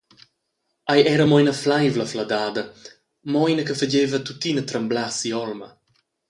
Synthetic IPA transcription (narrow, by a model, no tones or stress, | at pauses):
ajɛɾəmɔjnəflajvləflad̪aːd̪ɐ | mɔjnəkəfəd͡ʒevət̪ut̪inət̪ɾəmblasiɔlmə